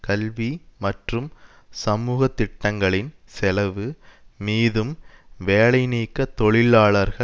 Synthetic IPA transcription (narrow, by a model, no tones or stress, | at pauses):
kɐlʋimɐʈrɯm | sɐmuːɣɐt̪ːɪʈːɐŋɡɐɭɪnsɛlɐʋɯmiːðɯmʋeːɭɐɪniːkːɐt̪ɔɭɪlaːɭɐɾɣɐ